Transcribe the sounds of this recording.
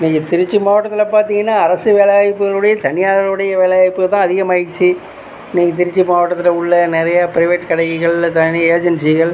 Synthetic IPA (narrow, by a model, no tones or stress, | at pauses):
niːŋɡɐt̪ɪɾɪt͡ʃːɯmaːʋɐʈːɐt̪ːɪlɐpaːɾt̪iŋɡɐnːaːɐɾɐsɯʋeːlaːjɪpːɯɣɐɭɯɽɐjɐt̪ɐnɪjaːðɐɾɯɽɐjɐʋeːlaːɪpːɯɣɐt̪ãːɐðɪɣɐmɐjɪt͡ʃːi | niːŋɡɐt̪̬ɪɾɪt͡ʃːɯmaːʋɐʈːɐt̪ːɪlɐʊɭːɐnɪɾɐjɐpɪɾɪʋeːʈkɐɽɐɣɪɣɐɭt̪ɐnɪɐeːd͡ʒɐnsɪɣɐɭ